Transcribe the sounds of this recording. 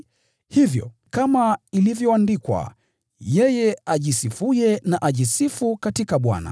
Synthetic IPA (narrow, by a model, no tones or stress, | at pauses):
hivjɔ̰ | kamailivjɔandikwa̰ | jɛjɛaʄisifujɛnaʔaʄisifukatikaɓwa̰na̰